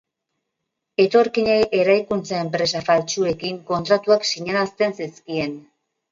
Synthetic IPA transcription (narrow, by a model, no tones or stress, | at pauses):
e̞t̪o̞ɾkiɲeʔe̞ɾajkunt͡sae̞mpɾe̞safalt͡ʃue̞kiŋko̞nt̪ɾat̪uaksiɲanast̪e̞nsiskie̞n